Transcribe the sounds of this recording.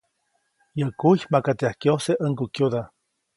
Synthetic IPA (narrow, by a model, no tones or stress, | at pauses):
jəkuçmakat̪eahkjoseʔəŋkukjud̪a